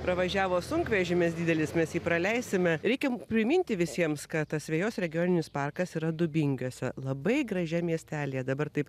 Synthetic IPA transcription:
pɾɐʋɐʒʲæːʋoːsʊŋkʋʲɛʒʲɪmʲɛsd̪ʲiːd̪ʲɛlʲɪsmʲɛsjiːpɾɐlʲɛɪsʲɪmʲɛɾʲɛɪkʲɛpʲɾʲɪmʲɪnʲt̪ʲɪʋʲɪsʲiɛmskɐt̪t̪ɐsʲʋʲɛːjoːsɾʲɛɡʲɪjoːnʲɪnʲɪspɑrkɐsiːɾɐd̪ʊbʲɪŋʲɡʲoːsʲɛlˠɐbɐɪɡɾɐʒʲɛmʲiɛsʲt̪ʲæːlʲɪjɛd̪ɐbɐrt̪ɐɪp

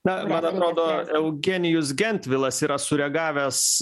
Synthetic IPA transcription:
nɐmɐnɐt̪ɾoːd̪oːɛʊɡʲenʲɪjʊs̬ɡʲɛnʲt̪ʲʋʲɪlˠɐsiːɾɐsʊɾʲɛɡɑːʋʲɛs

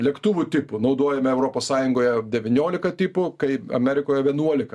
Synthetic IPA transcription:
lʲɛkt̪uʋʊt̪ʲɪpʊnɐʊd̪oːjɛmʲɛɛʊɾoːpoːssɑːjʊŋɡoːjɛd̪ʲɛʋʲɪnʲoːlʲɪkɐt̪ʲɪpʊkɐɪɐ̰mʲɛɾʲɪkoːjɛʋʲiɛnuɔlʲɪkɐ

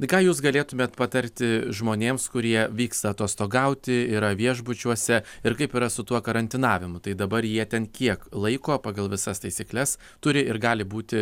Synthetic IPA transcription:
kɑːjuːsɡɐlʲeːt̪ʊmʲeːt̪pɐt̪ɐɾʲt̪ʲɪʒmoːnʲeːmskʊɾʲiɛʋʲiːkst̪ɐːt̪uɔst̪oːɡɐʊt̪ʲɪiɾɐʋʲiɛʒbʊt͡ʃʲuɔsʲɛɪɾkɐɪpiːɾɐsʊt̪uɔkɐɾɐnʲt̪ʲɪnɑːʋʲɪmʊt̪ɐɪd̪ɐbɐɾjiɛt̪ʲɛnkʲiɛklˠɐɪkoːpɑːɡɐlˠʋʲɪsɐst̪ɐɪsʲiːklʲɛs | t̪ʊɾʲɪɪɾɡɑːlʲɪbuːt̪ʲɪ

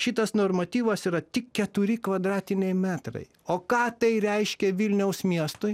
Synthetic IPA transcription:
ʃʲɪt̪ɐsnoːɾmɐt̪ʲiːʋɐsiːɾɐt̪ʲɪkkʲɛt̪ʊɾʲɪkʋɐd̪ɾɑːt̪ʲɪnʲɛɪmʲæːt̪ɾɐ̰ɪ | oːkɑːt̪ɐɪɾʲɛɪʃʲkʲɛʋʲɪlʲnʲɛʊsmʲiɛst̪ʊɪ

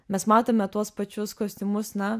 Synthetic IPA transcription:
mʲɛsmɑːt̪oːmʲɛt̪uɔspɐt͡ʃʲʊskoːsʲt̪ʲɪmʊsnɐ

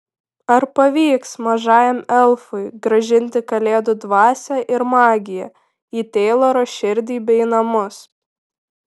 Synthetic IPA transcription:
ɐɾpɐʋʲiːksmɐʒɑːjɛmɛlˠfʊɪɡɾɐʒʲɪnʲt̪ʲɪkɐlʲeːd̪ʊd̪ʋɑːsʲæʔɪɾmɑːɡʲɪjɛ | iːt̪ʲeːlˠoːɾoːʃʲɪɾʲd̪ʲiːbʲɛɪnɐmʊs

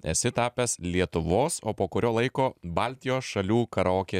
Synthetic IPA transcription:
ɛ̰sʲɪt̪ɑːpʲɛslʲiɛt̪ʊʋoːso̰ːpoːkʊɾʲoːlˠɐɪkoːbɐlʲt̪ʲɪjoːsʃɐlʲuːkɐɾoːkʲeː

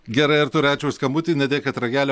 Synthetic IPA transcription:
ɡʲɛɾɐɪɐɾt̪ʊɾʲæːt͡ʃʲɛʊskɐmbʊt̪ʲɪːnʲɛd̪ʲeːkɐt̪ɾɐɡʲæːlʲɛ

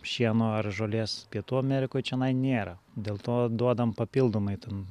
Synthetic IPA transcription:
ʃʲiɛnoːɐrʒoːlʲeːspʲiɛt̪uːɐmʲɛɾʲɪkoːjt͡ʃʲɛnɐɪnʲeːɾɐd̪ʲeːlˠt̪oːd̪uɔd̪ɐmpɐpʲilˠd̪oːmɐɪt̪ʲɛn

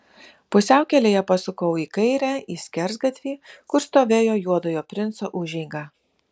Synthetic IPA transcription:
pʊsʲæˑʊkʲɛlʲeːjɛpɐsʊkɐʊiːkɐɪɾʲæːiːsʲkʲɛɾzɡɐt̪ʲʋʲiːkʊɾst̪oːʋʲeːjoːjuɔd̪ojoːpʲɾʲɪnt̪soːʔʊʒʲɛɪŋɡɑː

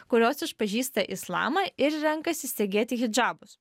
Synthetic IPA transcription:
kʊɾʲoːsɪʃpɐʒʲiːst̪ɐʔɪslˠɑ̰ːmɐʔɪɾɾʲɛŋˑkɐsʲɪsʲt̪ʲeːɡʲeːt̪ʲɪɣʲɪd͡ʒɑːbʊs

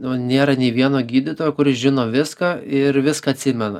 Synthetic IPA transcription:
nʊnʲeːɾɐnʲeɪʋʲiɛnoːɡʲiːd̪ʲɪt̪oːjoːkʊɾɪsʒʲɪnoːʋʲɪskɐːɪɾʋʲɪskɐɐt̪ʲsʲɪmʲɛnɐ̰

